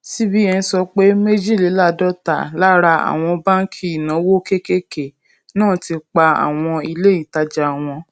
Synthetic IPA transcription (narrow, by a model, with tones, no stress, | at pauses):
si˦bi˦ɛ˧n̩˧˦sɔ˧k͡pe˦me˦d͡ʒi˦˨li˨˦la˦˨dɔ˦ta̰˨la˦ɾa˧a̰˨w̃ɔ̃˧ba˦n˦kʰi˦i˨nã˨˦wo˦ke˦ke˦ke˨ | nãː˦˨ti˧k͡pa˧a̰˨w̃ɔ̃˧i˧le˦i˦˨ta˧d͡ʒa˨w̃ɔ̃˧